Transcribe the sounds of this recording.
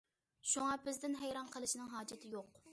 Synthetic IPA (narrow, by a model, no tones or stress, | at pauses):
ʃuŋɑbɪzd̪ɪnɦɛjɾɑnqʰəlˠɨʃinɨŋɦɑːd͡ʒɪt̪ʰɪjoq